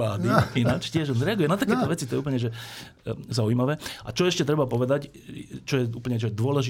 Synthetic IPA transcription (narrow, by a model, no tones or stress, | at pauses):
aːd̪iinat͡ʃcɪɛʒɔnzɾɛaɡujɛnat̪akɛːt̪ɔʋɛt͡sit̪ɔjɛup̬l̩ɲɛʒɛ | zauimaʋɛːa̰t͡ʃɔɛʃcɛt̪ɾɛbapɔʋɛd̪ac | t͡ʃɔjɛuːpl̩ɲɛt͡ʃɔjɛd̪ʊɔlɛʒi